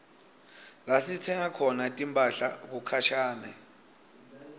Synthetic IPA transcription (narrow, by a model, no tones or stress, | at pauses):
lasit͡sʰɛŋakʰɔnatʼimbʼaɬa̰k̬ukʰaʃaːnɛ̰